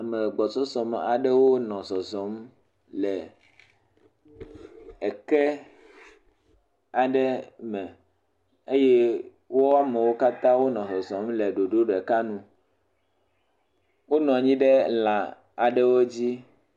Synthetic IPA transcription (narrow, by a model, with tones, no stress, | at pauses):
a˨me˨ɡ͡bɔ˨t͡ʃɔ˦sɔ˨m˨a˨ɖɛ˦wo˦nɔ̃˨sɔ˨zɔ˨˦m | lɛ˨ | ɛ˨kɛ˦ | a˨ɖɛ˦mɛ̃˨ | e˦jɛ˦ | wo˦a˦me˨wo˦ka˦t̪ã˦wo˦nɔ̃˨sɔ˨zɔ̃˨˦mlɛ˨ɖo˨ɖo˦ɖɛ˨ka˦nũ˦ | wo˦nɔ̃˨ɲĩ˦ɖe˦la˨ | a˨ɖɛ˦wo˦d͡ʑi˦